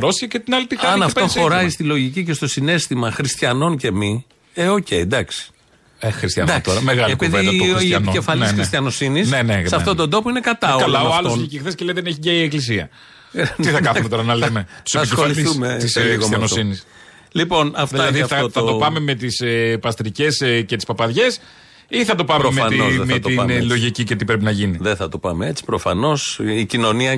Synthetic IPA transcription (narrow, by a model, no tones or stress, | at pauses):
ɾosiɐcet̪inɐlit̪ixɐɐnɐftp̪oxo̞ɾɐist̪ilo̞ʝicice̞st̪o̞sine̞st̪imɐxɾist̪çɐno̞nce̞mi | eoce̞id̪ɐksi̥ | exɾist̪jɐnd̪ɐkkt̪oɾɐmeɣɐletpiðeɐienioefɐlsxɾist̪çɐno̞sinisnenesɐft̪ot̪o̞nd̪o̞poine̞kɐt̪ɐoɐlɐɐoɐlonecexθesceleiðeneçicɐieklis̬iɐ̰ | t̪iθɐkɐθumet̪o̞ɾɐnɐlemet̪useɐpicsoɐlliθsumet̪isɐnosinis | lipo̞nɐft̪iɐðiθɐɐt̪opɐme̞me̞t̪isepɐst̪ɾice̞scet̪i̥spɐpɐðʝe̞s | iθɐt̪o̞pɐmemmeɐt̪izðmet̪ilo̞ʝicicet̪ipɾe̞p̬inɐʝiniðeθɐt̪opɐmeet͡si̥pɾofɐno̞sicino̞niɐ